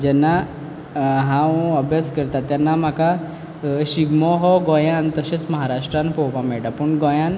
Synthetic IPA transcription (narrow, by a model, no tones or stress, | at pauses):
d͡ʑɛnːa | ɦãwəbjaskəɾt̪at̪ːjanːam̤aka | ɕiɡmɔɦɔɡɔjãnt̪əɕet͡sməɦaɾaʂʈɾãnpɔpamiɭʈapəɳɡɔjãn